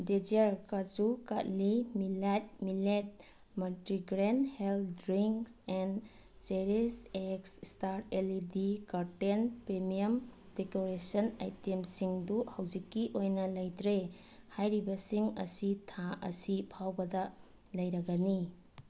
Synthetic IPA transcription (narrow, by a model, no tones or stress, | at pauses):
ded͡ʒeɾkad͡ʒukatlimilet̚milet̚ | mɐltɾiɡɾenheldɾiŋksen | seɾiseksstaɾtelidikaɾtenpɾemijɐm | dekoɾesɐna̰jtemsiŋduhɐwd͡ʒikːiʔojnɐlɐjtɾe | hajɾibɐsiŋɐ̰sitʰaʔɐ̰sipʰawbɐdɐ | lɐjɾɐɡɐni